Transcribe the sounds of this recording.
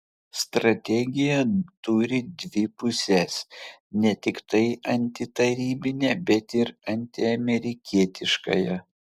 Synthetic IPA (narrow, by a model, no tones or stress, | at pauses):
st̪ɾɐt̪ʲɛɡʲɪjɛt̪ʊɾʲɪd̪ʲʋʲɪpʊsʲɛsnʲɛt̪ʲɪkt̪ɐɪʔɐnʲt̪ʲɪt̪ɐɾʲiːbʲɪnʲɛːbʲɛt̪ɪɾɐnʲt̪ʲɪɐmʲɛɾʲɪkʲiɛt̪ʲɪʃkɐ̰jɛ